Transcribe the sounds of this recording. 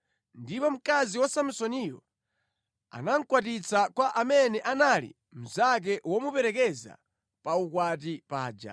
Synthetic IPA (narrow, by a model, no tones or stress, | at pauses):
ndipɔm̩kaziwasamsɔnijɔ̰ | a̰naŋ̩kwatit͡sakwaʔamɛnɛʔanalḭ | m̩zak̬ɛwɔmupɛɾɛkɛza̰ | paukwat̬ipaːd͡ʒa̰